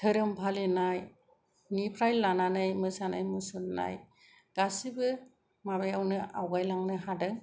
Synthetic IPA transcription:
tʰɯɾɯmbʰʱalenaj | nipʰɾajlananɯjmɯsana̰jmɯsunna̰j | ɡ̥asibɯ | maβejawnɯawɡajlaŋnɯɦadɯŋ

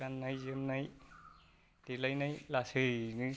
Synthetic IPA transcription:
anːajzemnaj | d̪̥elajnajlasɯjnɯ

